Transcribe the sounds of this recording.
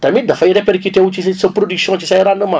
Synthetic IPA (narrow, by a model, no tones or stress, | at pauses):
t̪amid̪afaiɾepeɾkiteut͡ʃissəpɾodyksjɔ̃t͡ʃisajɾanəma